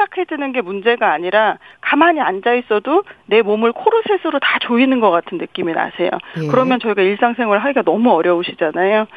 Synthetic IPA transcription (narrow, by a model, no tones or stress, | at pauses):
akʰe̞d͡ʑenɯnɡe̞mund͡ʑe̞ɡaːɲiɾakamaɲiand͡ʑais͈ʌdone̞momɯɭkʰoɾusʰe̞sʰɯɾotat͡ɕoinɯnɡʌk͈atʰɯnːɯk͈imina̰sʰe̞jo̰kɯɾʌmjʌnt͡ɕʌiɡaiɭs͈aŋsʰe̞ŋɦwʌɭɦaiɡanʌmuʌɾjʌoɕʰid͡ʑanajo